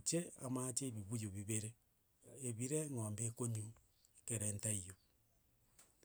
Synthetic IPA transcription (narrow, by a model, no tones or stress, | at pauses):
ot͡ʃea̰mat͡ʃeːβiβujoβiβeɾe | eβiɾeŋoːmbekoɲu | ekeɾentaijo